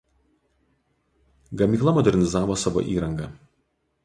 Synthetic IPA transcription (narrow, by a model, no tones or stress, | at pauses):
ɡɐmʲiːˑklˠɐmɔd̪ʲɛɾʲnʲɪzɑːʋoːsɑːʋo̰ːʔiːɾɐŋɡɐ